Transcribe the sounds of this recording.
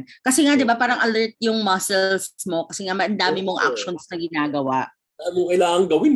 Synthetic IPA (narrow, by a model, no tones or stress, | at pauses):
kɐsɛŋad̪ɪbapaːɾɐŋʔɐlɛɹt̪̚jʊŋmɐsɛlsmo̞kɐsɛŋamɐjʔɐnd̪aːmɪmoŋʔa̰k̚ʃo̞nsnɐɡɪnaːɡɐwaʔ | anmokɐjlaːŋɐŋɡɐwɪn